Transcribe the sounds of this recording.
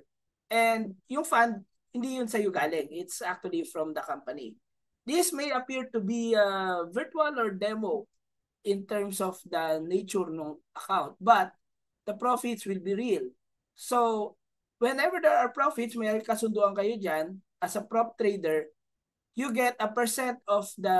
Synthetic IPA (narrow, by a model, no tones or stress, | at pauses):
ʔɛ̃nd̪̚jʊŋfãnd̪̚ | hɪnd̪ijʊnsɐjʊɡaːlɛŋɪt̪sak̚t̪uɐlifɹɔmd̪ɐkampɐnḭ | d̪ismejɐpiɹt̪ʊbiɐvɪɹt̪uɐlɔɹd̪ɛmo | ʔɪ̃nt̪ɛɹmsɔfd̪ɐnejt͡ʃʊɹnʊŋʔɐkãwnt̪̚bɐt̪̚ | d̪̥ɐpɹofɪt̪swɪlbiɹil | so | wɛnɛvɛɹd̪ɛɹaɹpɹofɪt̪smɛɾkɐsʊnd̪uʔɐŋkɐjod͡ʒanʔɐsɐpɹop̚t̪ɹed̪ɛɹ | juɡɛt̪ɐpɛɹsɛnt̪ɔfd̪ɐ